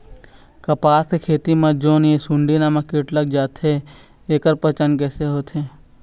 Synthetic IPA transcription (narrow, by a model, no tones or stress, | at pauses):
kɐpaːskekʰeːt̪imãd͡ʒoːnjesʊɳɖinaːmãkɪʈləɡ̚d͡ʒaːt̪ɦe | eːkəɾpət͡ʃənkɛːseɦoːt̪ɦeː